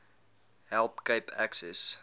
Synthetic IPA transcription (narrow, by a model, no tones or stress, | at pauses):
ɦɛlˠpkəpʰæksɛs